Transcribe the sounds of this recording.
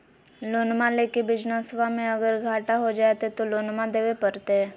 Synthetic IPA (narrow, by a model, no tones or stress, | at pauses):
loːnmãleːkebɪd͡ʒnəsʋamẽɐɡəɾɡʱaːʈaɦod͡ʒaːet̪et̪oloːnmãd̪eːʋepəɾt̪eɦɛ̃ː